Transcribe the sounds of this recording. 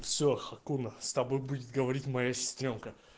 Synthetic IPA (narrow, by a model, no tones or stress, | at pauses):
fsʲoxɐkunəst̪ɐbo̞jbudʲɪt̪̚ɡəvɐɾʲitʲmɐjasʲɪ̥st̪ɾʲomkə